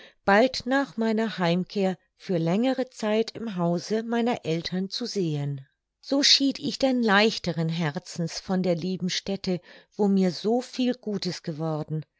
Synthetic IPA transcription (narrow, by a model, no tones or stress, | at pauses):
b̥altnaːχmaɪnɐhaɪmkʰeːɐ | fyːɐlɛŋəʁət͡saɪtʰɪmɦaʊzəmaɪnɐʔɛltʰɐnt͡suzeːən | z̥oːʃiːtɪçd̥ɛnlaɪçtəʁənɦɛʁt͡sn̩sfɔndeːɐliːbm̩ʃtɛtʰəv̥oːmiːɐzoːfiːlɡuːtəsɡ̥əvɔʁdn̩